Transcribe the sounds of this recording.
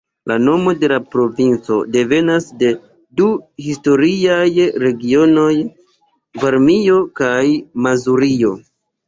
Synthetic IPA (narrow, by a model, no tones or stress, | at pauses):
lano̞mo̞de̞lapɾo̞vint͡so̞̰de̞ve̞nasde̞ | duhisto̞ɾiajɾe̞ɡio̞no̞j | vaɾmio̞kajmazuɾio̞